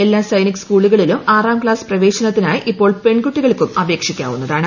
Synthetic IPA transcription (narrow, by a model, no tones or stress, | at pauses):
elːaːsɐjnikːskuːɭuɣɐɭilumaːraːmkɭaːsprɐʋe̞ːɕɐnɐt̪̬ːinaːjiʔipːo̞ːɭpe̞ɳɡuʈːiɣɐɭkːumɐbe̞ːkʂikʲːa̰ːʋunːɐðaːɳɨ